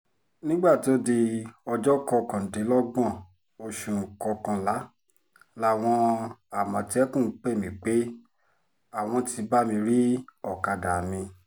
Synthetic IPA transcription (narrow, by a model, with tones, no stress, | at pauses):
nĩ˦ɡ͡ba˦˨to˨˦di˧ɔ˧d͡ʒɔ˦kɔ˧˦˧kã˨de˨˦lɔ˦ɡ͡bɔ̃˦˨ | o˧ʃũ˨kɔ˧kã˧la˨˦ | la˦˨w̃ɔ̃˧a˨mɔ̃˨ti˦ɛ˦kũ˦˨˦k͡pe˦˨mĩ˨k͡pe˦ | a˦˨w̃ɔ̃˧ti˧ba˦mĩ˧ɾi˦ɔ˦˨ka˨da˨mĩ˧